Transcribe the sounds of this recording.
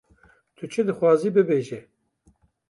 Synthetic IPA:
t̪ʰɨt͡ʃʰɨd̪ɨxwɑːziːbɨbeːʒɛ

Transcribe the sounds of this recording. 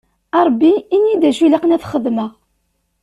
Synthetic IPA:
ɑɾˤbːiinjid̪æʃulæqənæθχəðməʁ

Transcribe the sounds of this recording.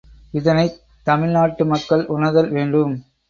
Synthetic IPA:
ɪðɐnɐɪ | t̪ːɐmɪɭnaːʈːɯmɐkːɐɭʔʊnɐðɐlʋeːɳɖɯm

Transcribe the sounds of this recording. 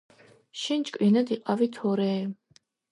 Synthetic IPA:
ʃint͡ʃʼkʼwinad̪iqʼavit̪ʰɔɾɛː

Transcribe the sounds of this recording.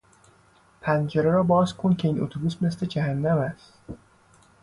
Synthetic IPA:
pʰænd͡ʒeɾeɾɒːbɒːzkʰoncʲʰe̞iːno̰t̪ʰobusme̞sle̞d͡ʒæhænːæmæst̪

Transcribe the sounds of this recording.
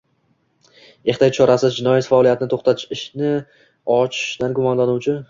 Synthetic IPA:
e̞χt̪ʰajt͡ʃʰɒɾasɪzd͡ʒɪnɒjat̪faːlˠijat̪ʰɪnɪt̪ʰoχt̪at̪ʰɪ̥ʃɪʃnɪ | ɒt͡ʃʰɪ̥ʃd̪anɡʊmɒnlanuwt͡ʃʰɪ

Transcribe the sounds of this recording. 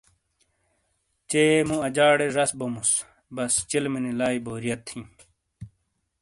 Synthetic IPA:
t͡ɕeːmũɐd͡ʑaːɽeʐɐsbomus | bɐst͡ɕilminilaːiboːɾijɐt̪ʰːĩ

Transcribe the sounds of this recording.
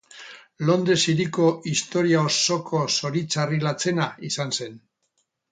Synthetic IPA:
lo̞nd̪esiɾiko̞ist̪o̞ɾiaoso̞kʰo̞so̞ɾit͡sarilat͡se̞naisanse̞n

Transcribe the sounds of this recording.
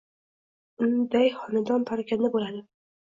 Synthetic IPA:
ʊnd̪ajχɒnad̪ɒnp̪ʰaɾakʲʰand̪abolad̪ɪ

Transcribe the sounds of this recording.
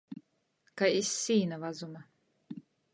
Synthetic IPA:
kaisːiːnavazuma

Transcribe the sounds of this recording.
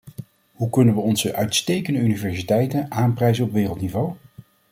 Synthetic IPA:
hukɵnənʋəɔnzəʔœɥtstejkəndəynivɛɹsitɛjtənʔaːmprɛjzənɔpʋɪːrəlˠtnivow

